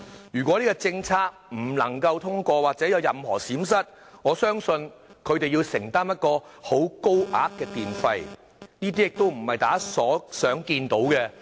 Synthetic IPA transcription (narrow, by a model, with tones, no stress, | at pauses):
jyː˨kwʷɔ˨˥niː˥ɡɔː˧t͡sɪ˧ŋt͡sʰaː˥k̚m̩˨˩lɐ˨˩ŋkɐ˧wt̪ʰʊ˥ŋkʷɔː˧waː˨k̚t͡sɛː˨˥jɐ˨˧wjɐ˨mhɔ̰ː˨˩siː˨˥ms̬ɐ˥t̚ | ŋɔː˨˧sœː˥ŋsɵ˧nkʰɵ˨˧ɥt̪e˨jiː˧wsɪ˨˩ŋt̪aː˥mjɐ˥t̚kɔː˧ho˨˥wko˥wʔaː˥kkːɛː˧t̪iː˨nfɐ˧j | niː˥t̪iː˥jɪ˨k̚t̪o˥wm̩˨˩hɐ˨jt̪aː˨˥sɔː˨˥sœː˨˥ŋkiː˧nt̪o˨˥wkɛ˧